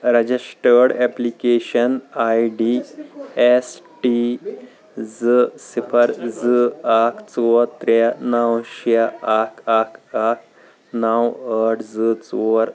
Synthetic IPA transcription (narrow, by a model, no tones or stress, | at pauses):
ɾəd͡ʑisʈəɾɽɛplikeɕənajɖi | esʈi | d͡zɨsipʰəɾd͡zɨakʰt͡sot̪ɾanawɕaakʰakʰak̚ | nawəʈʰd͡zɨt͡soɾ